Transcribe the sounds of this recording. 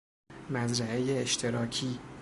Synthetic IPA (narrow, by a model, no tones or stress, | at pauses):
mæzɾæejeːʃt̪ʰe̞ɾɒːcʰiː